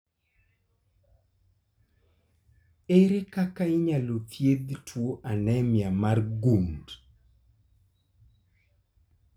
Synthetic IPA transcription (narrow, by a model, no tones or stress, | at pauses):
eɾekakaɪɲalotjed̪tʰwoʔanɛmjamarɡund